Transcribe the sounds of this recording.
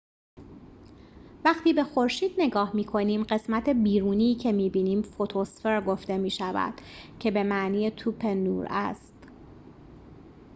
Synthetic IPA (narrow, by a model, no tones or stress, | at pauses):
væχt̪ʰiːbe̞xo̞ɾʃiːd̪̥ne̞ɡɒːhmiːkʰo̞niːmɢe̞smæt̪ʰe̞biːɾuːniːcʰe̞miːbiːniːmfot̪ʰosfeɾɡo̞ft̪e̞miːʃævæ̰d̪̥cʰe̞be̞mæʔniːjet̪ʰuːpʰe̞nːṵːɾæ̰st̪